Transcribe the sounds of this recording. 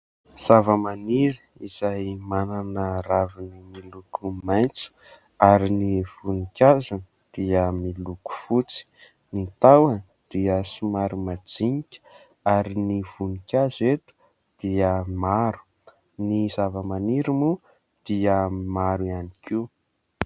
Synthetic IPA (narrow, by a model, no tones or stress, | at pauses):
z̥avəmaniɾi | iz̥ajmananəravinimilukumajnt͡su̥ | aɾiniv̥unikʲazan | d̪̥iəmiluku̥fut͡si̥ | nit̪awan | d̪̥iəsimaɾumad͡ziɲikʲə̥ | aɾiniv̥unikʲazet̪u̥ | d̪̥iəmaɾu̥ | nizavəmaniɾimu | d̪̥iəmaɾuianikiu